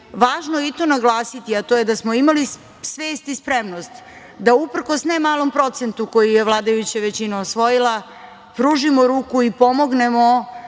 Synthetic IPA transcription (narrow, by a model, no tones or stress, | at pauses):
ʋaːʒnojeit̪o̞naɡlˠaːsit̪iat̪oje̞d̪asmoimali | sʋe̞ːst̪ispɾemnost̪ | d̪aupr̩ko̞snemaːlˠo̞mpɾo̞t̪se̞nt̪uko̞jijeʋlˠaːd̪ajut͡ɕaʋet͡ɕinaosʋo̞jilˠa | pɾuːʒimoɾuːkuipo̞mo̞ɡnemo